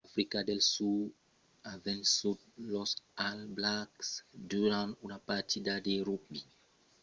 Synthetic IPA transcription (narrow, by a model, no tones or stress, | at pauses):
afɾikadelsu | avɛ̃nsud̪̚lɔsalblaksduɾãnunapatidadeɾubi